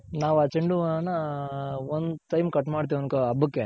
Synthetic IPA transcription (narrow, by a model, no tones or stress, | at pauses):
naːʋaːt͡ʃeɳɖunːɐ | ond̪ʈɐjmkɐʈːmaːɽt̪iʋionkɐɐbɯkːe